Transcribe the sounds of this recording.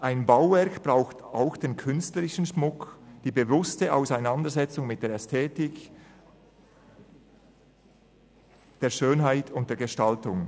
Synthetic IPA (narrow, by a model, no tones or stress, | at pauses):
ʔaɪnbaʊvɛɐkb̥ʁaʊxtaʊxd̥eːnkʰʏnstləɾɪʃən̩ʃmʊkd̥iːbevʊstəʔaʊsaɪnandəzɛt͡sʊŋmɪt̚d̥eːɐɛstʰeːtɪk | d̥eːɐʃøːnɦaɪtʰʊnt̚d̥eːɐɡ̥əʃtaltʊŋ